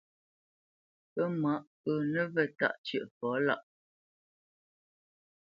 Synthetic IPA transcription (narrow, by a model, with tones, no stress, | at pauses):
pə˦ma˨˦ʔ | ə˨nə˦və˨ta̰˦˨ʔt͡ʃɥə˨ʔfɔ˨˦la̰˦˨ʔ